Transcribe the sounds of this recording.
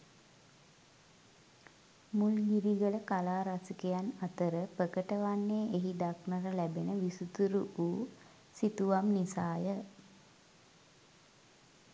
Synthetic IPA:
mulɡiɾiɡələkalaːɾasikejanat̪əɾəpəkəʈəʋanːeːʔeɦid̪aknəɾəlæbenəʋisut̪uɾuʔuː | sit̪uʋamnisaːjə

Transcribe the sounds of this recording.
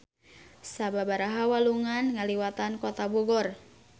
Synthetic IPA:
sababaɾaɦawaluŋanŋaliwat̪ankɔt̪abɔɡɔr

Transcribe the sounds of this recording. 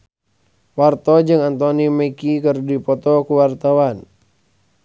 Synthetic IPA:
wart̪ɔd͡ʒɨŋant̪ɔniməkikərdipɔt̪ɔkuwart̪awan

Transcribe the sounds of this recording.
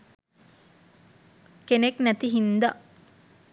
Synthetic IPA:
keneknæt̪iɦind̪a

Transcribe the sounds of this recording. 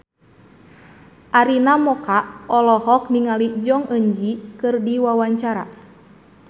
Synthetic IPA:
ʔaɾinamɔkaɔlɔhɔk̚niŋalid͡ʒɔŋəɲd͡ʒikɨrdiwawaɲt͡ʃaɾa̰

